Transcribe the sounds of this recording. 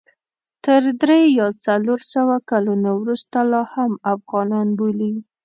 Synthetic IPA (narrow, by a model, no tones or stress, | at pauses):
t̪əɾd̪ɾejɑt͡saloɾsawakalunawɾust̪alɑhamafɣɑnɑnboli